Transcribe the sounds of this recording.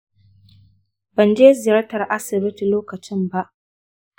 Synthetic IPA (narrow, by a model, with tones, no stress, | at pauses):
bɐ˨nd͡ʒeː˦zɪ˨jɐ˦tɐ˨rʔa˦sɪ˨bɪ˦ti˨loː˦kɐ˨t͡ʃɪ˦mba˦ʔ